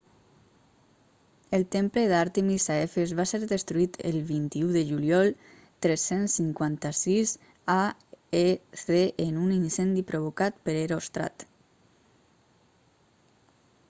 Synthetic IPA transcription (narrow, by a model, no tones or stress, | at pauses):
əlˠt̪empləðaɾt̪əmisaefezβaseɾðəst̪ɾuit̪ʰə̰lβint̪iuðəʒuljɔlˠ | t̪ɾesensːiŋkwant̪asiz | aeθeʔenuninsɛnd̪ipɾoβ̞okat̪̚pəɾeɾost̪ɾa̰t̪